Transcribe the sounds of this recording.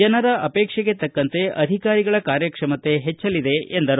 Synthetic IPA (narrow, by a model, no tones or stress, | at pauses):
ɐnɐɾɐʔɐpɛːkʂɛɡet̪ɐkːɐnt̪e̞ʔɐd̪ʱikaːɾiɡɐɭɐkaːɾjɐkʂɐmɐt̪e̞ɦɛt͡ʃːɐlid̪e̞end̪ɐɾ